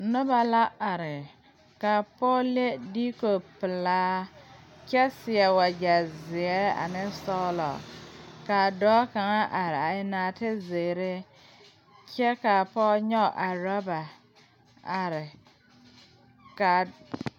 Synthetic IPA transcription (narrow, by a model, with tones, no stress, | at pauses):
nʊ˦ba˨la˦a˨ɾɪ˨ | ka˨pɔː˦le˦di˦ko˨pɪ˨laː˦ | kɛ˦sɪ˨ɛ˨wa˨d͡ʒa˨zɪ˨ɛ˦a̰˨nɪ˦sɔ˦lɔ̰˨ka˨dɔː˦ka˨ŋa˦ʔa˨ɾɪ˨a˨ɪ˦naː˨tɪ˦ze˨ɾɪ˦ | kɛ˦ka˨pɔː˦ɲɔ˦˨ʔa˨ɾa˦ba˨ | a˨ɾɪ˨ | ka˨